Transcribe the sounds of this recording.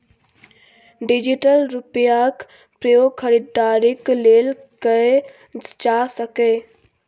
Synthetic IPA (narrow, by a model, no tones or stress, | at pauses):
ɖɪd͡ʒɪʈəlɾʊpjak | pɾəjoɡkʰəɾɪd̪ːaːɾɪkleːl | kəe | d͡ʒaːsəkeː